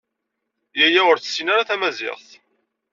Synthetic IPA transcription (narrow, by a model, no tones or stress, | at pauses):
jæjaəɾθə̥sːinaɾaθæmæzɪ̰ʁθ